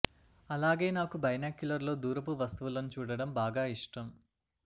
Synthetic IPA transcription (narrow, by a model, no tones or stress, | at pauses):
ɐlaːɡe̞ːnaːkubɐjnaːkjulɐɾlo̞ːd̪uːɾɐp̬uʋɐst̪uʋulɐnut͡ʃuːɽɐɽɐmbaːɡaːiʂʈɐm